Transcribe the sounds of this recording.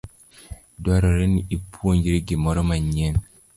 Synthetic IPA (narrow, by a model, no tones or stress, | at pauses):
daɾɔɾeniipʰuoɲd͡ʒiɾiɡemɔɾɔmaɲen